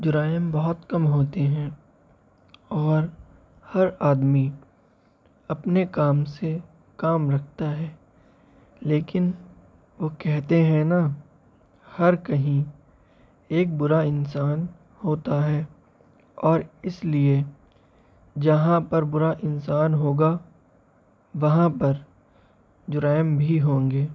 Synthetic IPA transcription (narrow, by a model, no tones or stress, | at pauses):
d͡ʒʊɾaːjəmbɔɦʊt̪kɐmɦoːt̪eɦɛ̃ː | ɔːɾ | hɐɾaːd̪mi | ɐpnekaːmse | kaːmɾɐkʰt̪aɦɛː | leːkɪn | ʋokɛɦt̪eɦɛ̃na | hɐɾkɐɦĩ | eːk̚bʊɾaɪnsaːn | hoːt̪aɦɛ | ɔːɾɪslie | d͡ʒɐɦãpɐɾbʊɾaʔɪnsaːnɦoːɡa | ʋɐɦãpɐɾ | d͡ʒʊɾaːɪmbʱiɦõːŋɡeː